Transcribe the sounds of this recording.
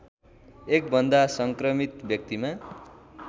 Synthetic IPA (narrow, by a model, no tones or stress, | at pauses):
ek̚bʌnd̪asʌŋkrʌmit̪bjʌk̚t̪ima